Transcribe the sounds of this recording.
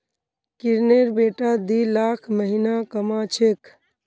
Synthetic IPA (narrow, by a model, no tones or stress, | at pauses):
kiɾneɾbeʈad̪ilakʰməɦinakəmat͡ʃʰek